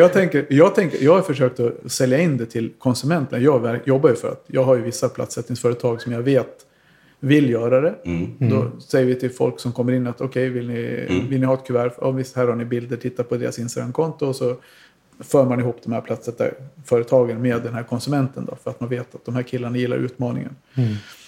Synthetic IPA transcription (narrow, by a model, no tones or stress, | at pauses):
jɑːɡt̪ʰɛŋkəɾjɑːɡ̚t̪ʰɛŋkə̰jɑːɡhaɾfəʂøːk̚t̪ɔsɛljaɪnːd̪ɛt̪ʰɪlkʰɔnsɵmɛnt̪ənjɑːɡvæɾjɔbːajɵfœɾa̰t̪jɑ̰ːɡɦaɾjɵvɪsːapʰla̰t̪sɛt̪nɪŋsfœːɾət̪ʰɑːɡsɔmjɑveːt̪ | vɪljœːɾad̪ɛd̪ɔ̰sɛjːəɾvɪt̪ʰɪlfɔ̰lksɔmkʰɔmːəɾɪnːat̪ɔkʰɛjvɪlnɪvɪlnɪhɑːɛt̪̚kʰɵvæːɾfɔ̰vɪst̪hæːɾhaɳɪbɪld̪əʈʰɪt̪ːapʰɔd̪eːɾa̰sɪnst̪aɡɾamkʰɔnt̪ʊɔsɔ | fœːɾmanɪɦuːpd̪ɔmhæ̰ːɾpʰlat̪sɛt̪ːa̰fœːɾət̪ʰɑːɡənmeːd̪ːɛnhæːɾkʰɔnsɵmɛnt̪ənd̪ɔ̰fœɾat̪manveːt̪at̪̚d̪ɔmhæːɾkʰɪlːaɳajɪlːa̰ɾʉ̟ːt̪mɑːnɪ̰ŋə̰n